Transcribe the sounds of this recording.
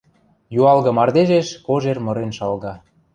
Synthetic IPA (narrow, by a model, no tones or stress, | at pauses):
juɑlɣɤ̆mɑrd̪eʒeʃkoʒermɤ̆ɾenʃɑlɣɑ